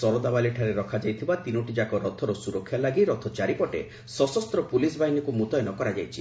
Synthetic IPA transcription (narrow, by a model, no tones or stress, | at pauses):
sɔɾɔd̪abaliʈʰaɾeɾɔkʰad͡ʒajt̪ʰibat̪inoʈid͡ʒakɔɾɔt̪ʰɔɾɔsuɾɔkʰːjalaɡiɾɔt̪ʰɔt͡ʃaɾipɔʈḛ | sɔsɔst̪ɾɔpulisbʱaɦinikumut̪ɔjɔnɔkɔɾad͡ʒajt͡ʃʰi̥